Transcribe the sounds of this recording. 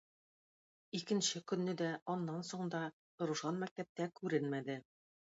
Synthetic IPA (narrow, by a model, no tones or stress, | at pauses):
ikɘ̆nɕɘkɵ̆nːɘd̪æɒnːɑnsoɴd̪ɑ | t̪ŏɾŭʃɑnmæk̚t̪æp̚t̪ækʉɾɘnmæd̪ɘ